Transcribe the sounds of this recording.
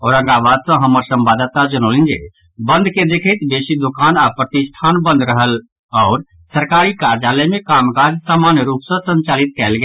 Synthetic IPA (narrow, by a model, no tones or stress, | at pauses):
ɔːɾə̃ŋɡaːʋaːd̪sə̃ɦəməɾsə̃mbaːd̪t̪ad͡ʒənoːlɪ̃nd͡ʒḛ | bə̃nd̪ʱked̪eːkʰət̪beːʃid̪ʊkaːnapɾət̪ɪsʈ̪ʰaːnbə̃nd̪ɾəɦəl | ɔːɾ | səɾkaːɾikaːɾd͡ʒaːlɛmẽkaːmkaːɾd͡ʒsaːmaːnjəɾuːpsə̃sə̃ɲt͡ʃaːlɪt̪̚kɛːlɡ